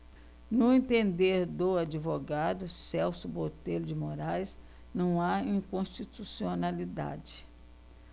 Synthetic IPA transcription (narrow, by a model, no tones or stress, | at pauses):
nʊẽnt̪ẽnd̪eɾd̪ʊad͡ʒivoɡad̪ʊsɛwsʊbot̪elʊd͡ʒɪmoɾajs | nɐ̃w̃aĩkõʃt͡ʃit̪usionalid̪a̰d͡ʒɪ̥